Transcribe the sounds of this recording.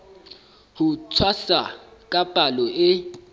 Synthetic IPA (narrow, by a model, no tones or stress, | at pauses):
hut͡sʰwasakʼab̥ʼʱalɔʔɪ